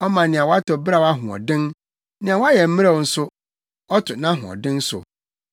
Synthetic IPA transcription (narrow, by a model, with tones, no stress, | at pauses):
ɔ˦mã˨nɪ̃˨ã˨wa˦tɔ˨bɾa˨wa˦ɦʊ̃˨ɔ̰˨dɪ̃˦n | nɪ̃˨ã˨wa˦jɛ˨m̩˦mɪ̃˦a˦ɔ˨n̩˨sʊ˦ | ɔ˦tʰʊ˨nã˦ɦʊ̰̃˨ɔ̰˨dɪ̃˦n˦sʊ̰˨